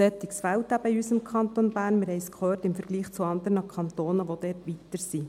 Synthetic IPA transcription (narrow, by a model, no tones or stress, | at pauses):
ɛt̪ːɪksfæltæbəɪysɪmkʰɑnt̪onbæːɾnmɪɾhɛɪskχøːtɪmfəɾɡ̥liːχt͡suɑnd̪əɾnəkʰɑnt̪oːnəʋod̥̪ɛːtʋit̪əɾsi